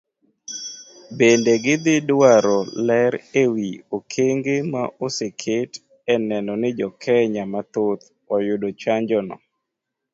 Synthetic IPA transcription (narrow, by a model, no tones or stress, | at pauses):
bendeɡɪd̪ɪdwaɾɔlɛɾewiokʰeŋɡema̰ʔosekʰet | ɛnɛnɔnɪd͡ʒɔkʰɛɲamat̪ot̪ | ɔjʊdot͡ʃaɲd͡ʒɔnɔ̰